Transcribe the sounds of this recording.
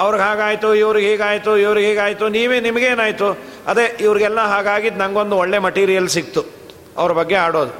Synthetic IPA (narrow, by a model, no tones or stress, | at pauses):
ɐʋɐɾɡaːɡaːjt̪uiʋɐɾiɡɦiːɡaːjt̪uiʋɐɾiɡɦɛːɡaːjt̪uniːʋeːnimɐɡeːnaːjt̪u | ɐd̪ɾeiʋɐɾiɡɛlːɐɦaːɡaːɡid̪nɐŋɡo̞nd̪uɔɭːe̞mɐʈiːɾijɐlsik̚t̪u | ɐ̰ʋɐɾɐbɐɡːe̞aːɽoːd̪u